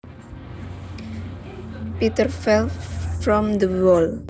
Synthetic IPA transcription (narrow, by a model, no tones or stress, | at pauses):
pit̪əɾfɛlfɾɔ̃md̪əwɔl